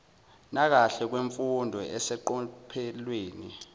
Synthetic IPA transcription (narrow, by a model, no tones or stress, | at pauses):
nak̬aɬɛk̬weɱfundʱɔɛsɛǃɔpʰɛlweːni